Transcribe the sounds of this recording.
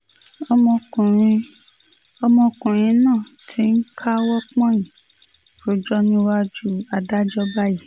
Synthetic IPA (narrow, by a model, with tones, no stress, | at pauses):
ĩ˧ | ɔ˧mɔ̃˧kũ˨ɾ̃ĩ˧nãː˦˨tʰi˨˦n̩˦kʰa˦wɔ˦k͡pɔ̃˦jĩ˨ | fo˨˦d͡ʒɔ˦nĩ˦wa˦d͡ʒu˦a˨da˦d͡ʒɔ˦ba˦ji˦